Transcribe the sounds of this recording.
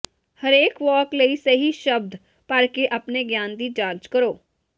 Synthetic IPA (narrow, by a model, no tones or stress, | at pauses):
həɾeːkʋɔːkləisəɦiʃəb̚d̪ | pəɾkeʔəpneɡjaːnd̪iːt͡ʃaːɾt͡ʃkəɾoː